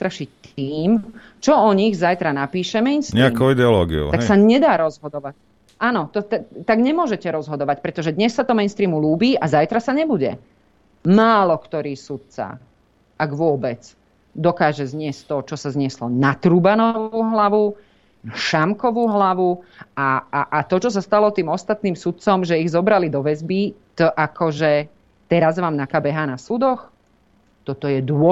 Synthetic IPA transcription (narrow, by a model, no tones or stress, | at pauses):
t̪ɾaʃict̪ʰiːm | t͡ʃɔɔɲiɣzajt̪ɾanapiːʃɛmɛɪnstɲɾɛakoʊid̪ɛɔlɔːɡḭo̰t̪aksaɲɛd̪aːɾɔzɦɔd̪ɔʋa | aːnɔt̪ɔt̪ɛt̪aɡɲɛmʊɔʒɛcɛɾɔzɦɔd̪ɔʋacpɾɛt̪ɔʒɛd̪ɲɛsːat̪ɔmɛjnst̪ɾiːmuluːbiːʔazajt̪ɾasaɲɛbuɟɛ̰ | maːlɔkt̪ɔɾiːsut̪̚t͡sa̰ | aɡʋʊɔbɛt͡s | d̪ɔkaːʒɛzɲɪɛsct̪ɔt͡ʃɔsazɲɪɛslɔnat̪ɾubanɔʋuːɦlaʋu | naʃamkɔʋuːɦlaʋuaʔat̪ɔt͡ʃɔs̬ast̪alɔt̪iːmɔst̪at̪niːmsut̪̚t͡sɔmʒɛiɣzɔbɾalid̪ɔʋɛzbit̪ʔakɔʒɛ | t̪ɛɾazʋaːmnakabɛɦaːnasud̪ɔx | t̪ɔt̪ɔjɛd̪ʊɔ